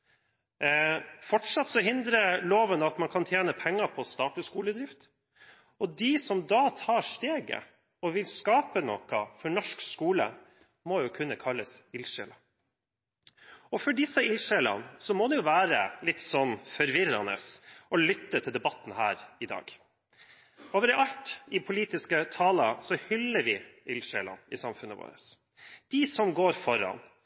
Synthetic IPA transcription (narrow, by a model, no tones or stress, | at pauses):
fɔʈʂɑt̪ːsɔɦɪnd̪ɾəloːʋənɑt̪mɑnkʰɑnt̪ʰjeːnəpʰɛŋːɑpʰɔst̪ɑːʈəskuːləd̪ɾɪft̪ | ɔd̪ɪsɔmd̪ɑːt̪ʰɑːʂʈeːɡə̰ | ɔʋɪlskɑːpənɔkɑfɔɳɔʂkskuːlə̰ | mɔjʊkʰʉnːəkʰɑlːəsɪlʃɛ̰lɑ | ɔfɔɖɪsəɪlʃɛlɑ̰nsɔmɔːd̪ɛjʊʋæːɾəlɪt̪sɔnːfɔɾʋɪɾɑnə̰sʔɔlʏt̪ːət̪ʰɪld̪ɛbɑt̪ːn̩hæːɾɪd̪ɑ̰ːɡ | oːʋəɾɛʔɑlt̪ɪpʰʊliːt̪ɪskət̪ʰɑːlɑsɔhʏlːəɾʋɪɪlʃɛlɑ̰nɪsɑmfʉnːəʋo̰ːɾəs | d̪̥ɪsɔmɡoːɾfɔɾɑ̰n